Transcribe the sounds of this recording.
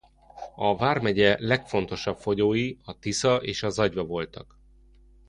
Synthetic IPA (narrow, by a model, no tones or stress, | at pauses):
ɒvaːrmɛɟɛlɛkfo̞n̪t̪o̞ʃɒpfo̞ɟoːjiɒt̪isɒʔeːʃɒzɒɟvɒvo̞lt̪ɒk